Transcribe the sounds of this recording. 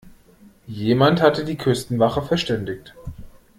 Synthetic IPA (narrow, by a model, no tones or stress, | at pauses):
jeːmanthatədiːkʰʏstn̩vaχəfɛɐʃtɛndɪçt